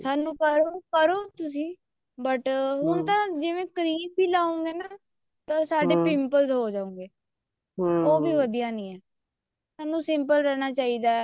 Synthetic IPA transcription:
saːnũːkəɾoːkəɾoːt̪ʊs̬ĩː | bəʈɦʊnt̪ãːd͡ʒɪʋẽːkəɾiːbbiːlaːõːŋɡeːnaː | t̪ãːsaːɖeːpɪmpəlzɦoːd͡ʒaːũːŋɡeː | oːbiːʋəd̪ijaːnĩːɛː | saːnũːsɪmpəlɾɛːñaːt͡ʃaːiːd̪aːɛ

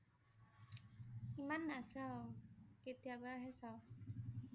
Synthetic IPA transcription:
imanːasa | ket̪ijabaaɦɛsaw

